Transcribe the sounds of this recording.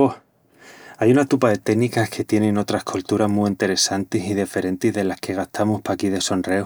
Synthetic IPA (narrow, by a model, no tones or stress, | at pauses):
o | ajunat̪upaðe̞t̪e̞nikahkʰe̞t̪je̞nẽno̞t̪ɾahkʰolt̪uɾaɦmuint̪e̞ɾe̞sant̪isiðife̞ɾe̞nt̪izðe̞lahke̞ɣ̞aht̪ʰamuhpakiðe̞so̞nrew